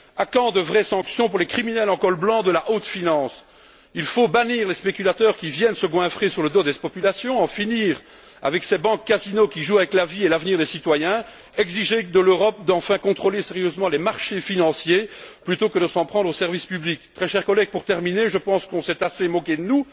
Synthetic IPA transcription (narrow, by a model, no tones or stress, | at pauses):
akɑ̃d̪əvʁɛsɑ̃ksjɔ̃puʁlɛkχiminɛlɑ̃kɔlblɑ̃d̪əlaʔot̪finɑ̃ːs | ilfobaniːʁlɛspekʲylat̪œːʁkʲivjɛnsəɡwɛ̃fχesyʁləd̪od̪ɛpɔpylasjɔ̃ɑ̃finiːʁ | a̰vɛksɛbɑ̃kːazinokʲiʒuavɛklavielavniʁd̪esit̪wajɛ̃ | ɛɡziʒed̪əløʁɔp̚d̪ɑ̃fɛ̃kɔ̃t̪χolesɛʁjøzmɑ̃lemaʁʃefinɑ̃sjeplyt̪okəd̪əsɑ̃pχɑ̃d̪ʁosɛʁvispyblik̚t̪χɛʃɛʁkɔlɛɡ̚puʁt̪ɛʁmineʒəpɑ̃skɔ̃sɛt̪asemɔkʲed̪ənu